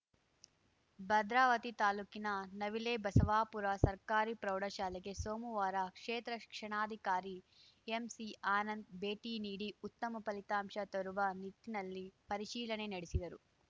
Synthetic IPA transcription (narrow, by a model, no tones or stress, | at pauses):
bɐd̪ɾaːʋɐt̪it̪aːluːkinɐnɐʋileːbɐsɐʋaːpuɾasɐɾkaːɾipɾɐwɽɐʃaːleɡe̞soːmuʋaːɾakʂeːt̪ɾɐ̥kʂɐɳaːd̪ʱikaːɾi | emsiaːnɐnd̪̚beːʈiːniːɽiut̪ːɐmɐpɐlit̪aːmʂɐt̪ɐɾuʋɐnit̪ːinɐlːipɐɾiʃiːlɐɳe̞nɐɽesid̪ɐɾu